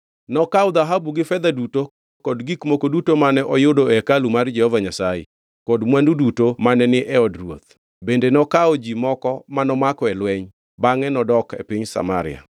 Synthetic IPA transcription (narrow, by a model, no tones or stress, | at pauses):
nɔkaɔd̪aɦabuɡɪfɛd̪aduto | kɔdɡikmokodutomanɛʔɔjʊdoɛkalumard͡ʒɛhɔvaɲasajḛ | kɔdmwandudutomanɛnɪʔɛɔdrwo̰t̪̚ | bendenɔkaɔd͡ʒimɔkɔmanɔmakɔɛlwɛɲ | baŋɛnɔdɔkḛpiɲsa̰ma̰ɾɪja̰